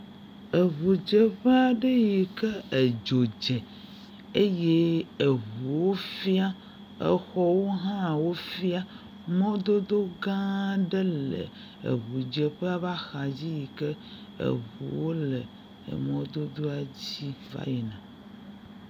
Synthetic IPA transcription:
e˨ɦu˨d͡ʒe˨ɸə˦a˨ɖe˦ji˨ke˦e˨d͡ʒo˨d͡ʒe˨ | e˦je˦e˨ɦu˨wo˦fi˦a˦ | ḛ˦xɔ˦wo˦ɦã˦˨wo˦fi˦a˦ | mɔ̃˦d̪o˦d̪o˦ɡã˦ɖe˦lḛ˨ | ḛ˨ɦu˨d͡ʒe˨ɸe˦a˨va˦xa˨d͡ʑi˦ji˨kə˦ḛ˨ɦṵ˨wo˦lḛ˨ | mɔ̃˦d̪o˦d̪o˦a˨d͡ʑi˦va̰˦ji˨nã˨

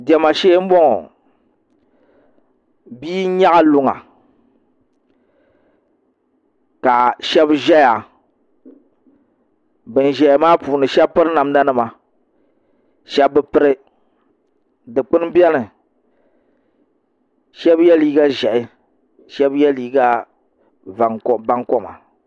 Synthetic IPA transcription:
dɛ˨ma˨ʃeː˦m̩˦bɔ˦ŋɔ̰˨ | biː˦ɲa˦ʔa˦lʊ˨ŋa̰˨ | ka˨ʃɛ˦bʒɛ˦ja˨ | bɨ˨n˨ʒɛ˨maː˦puː˨nɨ˨ʃɛ˦bpɨ˦ɾɨ˦na˨m˦da˦nɨ˨ma˨ | ʃɛ˦bbɨ˦pɨ˦ɾɨ˦ | dɨ˨k͡pɨ˦n˦bɛ˦nɨ˨ | ʃɛ˦bjɛ˦liː˦ɡa˦ʒɛ˨ʔɪ˦ | ʃɛ˦bjɛ˦liː˦ɡa˦ | va˨ŋkba˦ŋkɔ˦ma̰˨

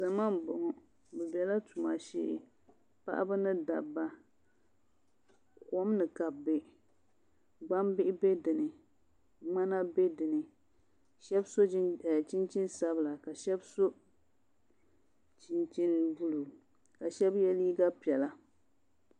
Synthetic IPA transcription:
za˨ma˦mbʊ˨ŋɔ˨ | bɛ˨bɛ˨la˦tu˨ma˨ʃḛ˦ʔ | pa̰˦ʔa̰˦bɨ˦nɨ˦da̰˨bːa˦ | ko˦mnɨ˨ka˨bːɪ˨ | ɡ͡ba˦mbɪ˦ʔɪ˦be˦dɨ˨nɨ˨ | ŋ͡ma˦na˦be˦dɨ˨nɨ˨ | ʃɛ˦bso˦˨t͡ʃi˦nt͡ʃi˦n˦sa˦bla˨ka˨ʃɛ˦bso˦ | t͡ʃi˦nt͡ʃi˦nvu˦lu˨ | ka˨ʃɛ˦bjɛ˦li˦i˦ɡa˦pi˨ɛ˨la˦

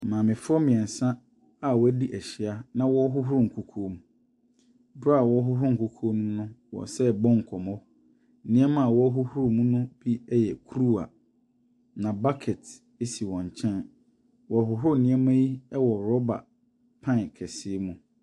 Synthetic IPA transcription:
mãː˨mɪ̃˨fɔ˦mɪ̃˨ɛ̃˨n̩˨sã˦ | a˦wɔ˦æ˦di˦ʔɛ˨ɕɪ˨a˦nã˦wɔ˦ɦʊ˦ɦʊ˦ɾu˨ŋ̩˨kʰu˨kʰo˦mũ˦ | bɾa˨wɔ˦ɦʊ˦ɦʊ˦ŋ̩˨kʰu˦kʰo˦nũ˦nʊ̃˦wɔ̰˨sɛ˦˨bɔ̃˦ŋ̩˨kʰɔ˨mɔ̃˦ | nɪ̃˦ɛ˦mã˦˨wɔ˦ɦʊ˦hʊ˦ɾʊ˨mũ˦nʊ̃˦b̥i˦ɛ˦jɛ˨kʰɾu˦a̰˨ | nã˨ba˦kʰɛ˨t | e˦si˨wɔ̃˨ɲ˨t͡ɕʰɛ̃˦n | wɔ˨ɦʊ˨ɦʊ˦ʊ˦˨nɪ̃˦ɛ˦mã˦ji˦ɛ˦wɔ˨ɾɔ˦ba̰˨ | pʰã˦˨kʰɛ˨sɪ˦mũ˨

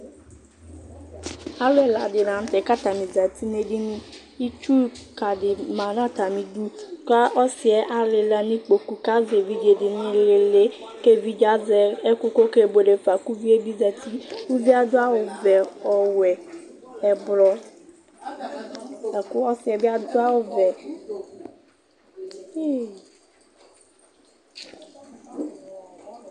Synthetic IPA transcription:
a˦lɛ˨la˨dɪ˨nã˨n̩˦t̪ɛ˨˦ka˦t̪a˨mĩ˨za˨t̪i˦ne˦di˦nĩ˦ | i˦t͡ʃu˦ka˨dɪ˨mã˨nã˦˨t̪a˨mĩ˨du˦ka˦ʔɔ˦sɪ˨ɛ˦ʔa˨le˨la˨nĩ˦k͡po˨ku˨ka˦ze˨vi˦d͡ʒe˨dɪ˨nĩ˦le˨le˦ | ke˦vi˦d͡ʒa˦zɛ˨ɛ˦ku˦ko˦ke˦˨bo˨ɖe˨fa˨ku˦vi˦e˦bi˦zɛ˨t̪i˦ku˦vi˦a˦d̪o˦a˦wo˨vɛ˨ɔ˨wɛ˨ | ɛ˨blɔ˨ | a˨ku˦ɔ˦si˨ɛ˨bi˦a˦d̪o˦a˦wo˨vɛ˨ | e˦

